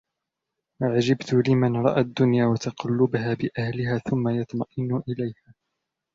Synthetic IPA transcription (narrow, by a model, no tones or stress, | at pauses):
waʕad͡ʒabt̪ʊlɪmanɾˤɑ̰ʔad̪ːʊnjaːwat̪ɑqɑlːʊbaɦaːbɪʔahlɪɦaːθʊmːajɑt̪mɑʔɪnʊʔɪlajhaː